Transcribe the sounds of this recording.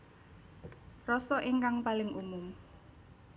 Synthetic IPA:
rɔsɔʔiŋkaŋpalɪŋʔumʊm

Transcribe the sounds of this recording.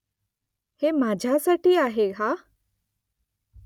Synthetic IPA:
hemad͡ʑʱjasaʈiːaɦeɦa

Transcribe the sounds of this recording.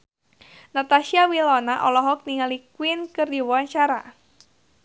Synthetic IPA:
nat̪aʃiawilɔnaʔɔlɔɦɔk̚niŋalikwɪnkərdiwɔant͡ʃaɾa̰

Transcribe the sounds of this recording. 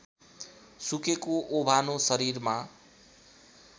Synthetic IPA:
sukekoʔobʱanosʌɾiɾma

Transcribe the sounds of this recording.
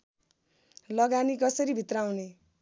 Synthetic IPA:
lʌɡanikʌsʌɾibʱit̪rawne

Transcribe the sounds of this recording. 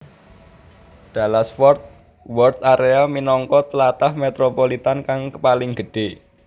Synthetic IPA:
d̪̥a̤lasfɔrt̪̚ | wɔrt̪aɾeaminɔŋkɔt̪əlat̪ahmet̪ɾopolit̪ankaŋkəpalɪŋɡə̤ɖ̥e

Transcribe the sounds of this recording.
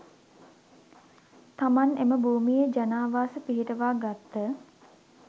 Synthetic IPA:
t̪amaneməbʱuːmijed͡ʒanaːʋaːsəpiɦiʈəʋaːɡat̪ːə

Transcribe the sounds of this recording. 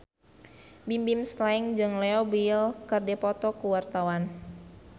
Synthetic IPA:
bimbimslaiŋd͡ʒɨŋlɛobilkɨrdɛpɔt̪ɔkuwart̪awan

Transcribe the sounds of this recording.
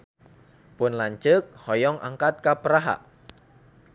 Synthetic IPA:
pʊnlaɲt͡ʃək̚hɔjɔŋʔa̰ŋkat̪̚kapəɾaɦa̰ʔ

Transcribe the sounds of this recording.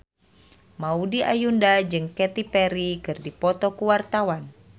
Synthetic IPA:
maudiʔa̰jundad͡ʒɨŋkɛt̪ipɛɾikɨrdipɔt̪ɔkuwart̪awan

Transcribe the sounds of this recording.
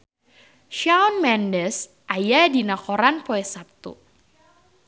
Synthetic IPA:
ʃawnmɛndəs | ʔajadinakɔɾanpoɛsap̚t̪ṵ

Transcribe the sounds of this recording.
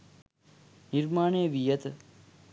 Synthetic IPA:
niɾmaːɳeːʋijət̪

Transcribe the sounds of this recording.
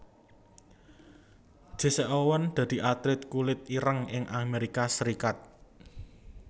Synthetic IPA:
d̥ʒ̥e̤sɛʔowənd̪̥ä̤d̪̥i̤ʔat̪ɾɪt̪̚kulɪt̪̚iɾəŋɪŋʔameɾikasəɾikat̪̚

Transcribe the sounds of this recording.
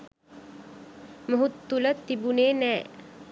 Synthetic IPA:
məɦut̪ːulət̪ːibuneːnɛː

